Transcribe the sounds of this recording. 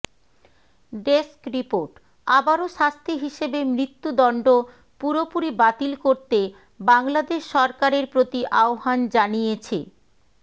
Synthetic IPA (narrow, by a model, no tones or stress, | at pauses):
ɖeskɾipoɾʈ | abaɾoʃast̪ʰeɦiʃebemɾit̪ːud̪ɔɳɖo | puɾopuɾibat̪ilkoɾt̪e | baŋlad̪eʃːɔɾkaɾeɾpɾot̪iʔaoɦand͡ʑanijet͡ɕʰḛ